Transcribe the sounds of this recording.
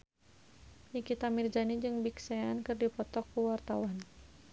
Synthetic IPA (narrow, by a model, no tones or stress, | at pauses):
nikit̪amird͡ʒanid͡ʒɨŋbiksɛankɨrdipɔt̪ɔkːuwart̪awan